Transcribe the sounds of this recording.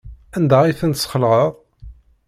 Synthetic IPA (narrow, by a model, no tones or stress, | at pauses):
ænd̪æiθənt̪sχəlʁəʁˤ